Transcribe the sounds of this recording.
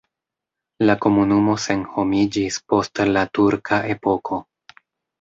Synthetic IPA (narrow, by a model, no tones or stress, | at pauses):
lako̞munumo̞se̞nho̞mid͡ʒispo̞stlatuɾkʰaʔe̞po̞kʰo̞